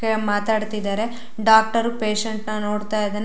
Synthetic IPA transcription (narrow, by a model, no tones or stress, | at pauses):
emaːt̪aːɖt̪id̪aːɾe | ɖaːk̚ʈɐɾupeːʃeɳʈnɐno̞ːɽt̪aːjɐd̪ɐnː